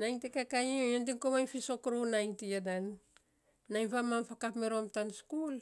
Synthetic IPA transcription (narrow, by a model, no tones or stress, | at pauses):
najŋtekakajiendiŋkomajfisokɾonajŋtiadanː | ajmfamamfakapmeɾomtanskul